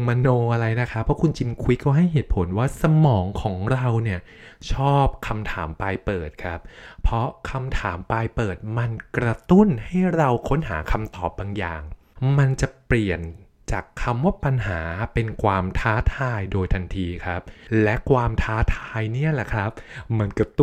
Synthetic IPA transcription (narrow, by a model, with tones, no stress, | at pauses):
ma˧noː˧ʔa˧ɾa˧jna˦˥kʰa˦˥pʰːɔ˦˥kʰu˧nt͡ɕi˧nkʰu˧˦jkɔ˥˩ɦa˥˩jɦeː˨˩t̪̚pʰo˩˦nwaː˥˩sa˧mɔː˩˦ŋkʰɔː˩˦ŋɾa˧wni˥˩ɐ | t͡ɕʰɔː˥˩p̚kʰa˧mt̪ʰaː˩˦mpa˧jpɤː˨˩t̪̚kʰa˦˥p̚pʰːɾɔ˦˥kʰa˧mt̪ʰaː˩˦mpa˧jpɤː˨˩t̪̚ma˧nkɾa˧t̪u˥˩nha˥˩jɾa˧wkʰo˦˥nɦaː˩˦kʰa˧mt̪ɔː˨˩p̚baː˧ŋja̰ː˨˩ŋ | ma˧nt͡ɕa˨˩pli˨˩ən | t͡ɕaː˨˩kʰːa˧mwaː˥˩pa˧nɦaː˩˦pe˧nkʰwaː˧mt̪ʰaː˦˥t̪ʰaː˧jdoː˧jt̪ʰa˧nt̪ʰiː˧kʰa˦˥p̚lɛ˦˥kʰwaː˧mt̪ʰaː˦˥t̪ʰaː˧jni˥˩ɐlɛ˨˩kʰɾa˦˥p̚ma˧nka˧t̪